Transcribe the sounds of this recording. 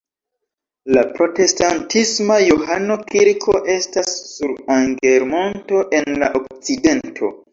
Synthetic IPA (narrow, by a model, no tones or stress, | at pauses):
lapɾo̞te̞stantismajohano̞kiɾkʰo̞ʔe̞stasːuɾaŋɡe̞ɾmo̞nto̞ʔe̞nla̰ʔokt͡side̞ntʰo̞̰